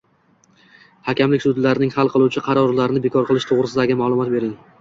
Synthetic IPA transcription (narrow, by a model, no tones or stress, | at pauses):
hakʲʰamlɪkʲsʊd̪laɾɪnɪŋhɑlˠqʰɨlˠuwt͡ʃʰɪqʰɑɾɒɾlaɾɪnɪbekʰɒɾqʰɨlˠɪʃt̪ʰoʁɾɪsɪd̪aɡʲɪmaːlˠʊmɒt̪̚be̞ɾɪŋ